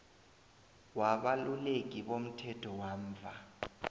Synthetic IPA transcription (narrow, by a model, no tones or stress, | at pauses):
waɓalulek̬iɓom̩tʰɛtʰɔwaːmvʱa